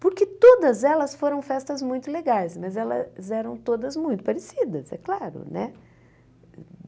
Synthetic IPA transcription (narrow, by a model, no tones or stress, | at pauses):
poɾkɪt̪od̪ɐzɛlɐsfoɾɐ̃w̃fɛst̪ɐzmũj̃t̪ʊleɡajsmɐzɛlɐ̰zɛɾɐ̃w̃t̪od̪ɐzmũj̃t̪ʊ̥paɾesid̪ɐzɛ̰klaɾʊ̰nɛ̰